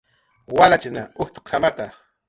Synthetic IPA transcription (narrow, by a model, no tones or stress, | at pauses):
walat͡ʃɪnaʊht̪qʰamat̪a